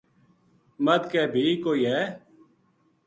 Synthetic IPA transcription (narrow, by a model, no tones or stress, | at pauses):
məd̪kɛːbʱiːkoːiːɦɛː